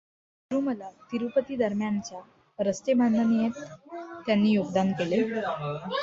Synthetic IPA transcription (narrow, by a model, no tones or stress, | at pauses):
ɾuməlat̪iɾupət̪iːd̪əɾmjant͡ɕja | ɾəst̪emanːənijet̪ːjanːiːjoɡd̪ankele